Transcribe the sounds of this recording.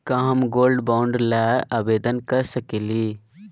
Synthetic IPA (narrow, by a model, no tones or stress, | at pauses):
kaɦmɡoːlɖbaːʊɳɖɾlaabeːd̪ənkəɾsəkeli